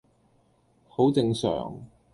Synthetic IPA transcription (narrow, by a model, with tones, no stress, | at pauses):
ho˨˥wt͡sɪ˨˧ŋsœ̰ː˨˩ŋ